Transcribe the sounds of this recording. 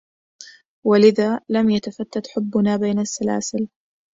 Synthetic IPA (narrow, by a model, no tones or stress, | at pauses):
walɪðaːlamjat̪afat̪ːat̪ħʊbːʊnaːbaːnasːala̰ːsɪl